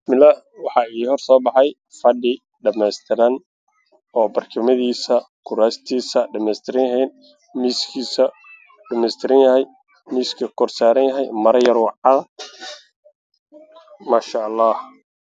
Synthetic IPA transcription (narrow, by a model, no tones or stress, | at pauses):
mɪlɐ | wɑħɑiːhɔrsɔːbɑħɑj | fɐɖɪ | ɖɐmɛst̪ʰɪɾɐn | ɔːbɐrkʰɐmɐðiːsɐkʰʊɾaːst̪ʰiːsɐɖɐmɛːst̪ʰɪɾɐnɐɦɛjn | miːskʰiːsɐ | ɖɐmɛːst̪ʰɪɾɐnjɐhɛj | miːskʰɐkʰɔrsaːɾɐnjɐɦɛjmɐɾɐjɐrwɑʕɑðɐ | maːʃaʔɑlːɑːh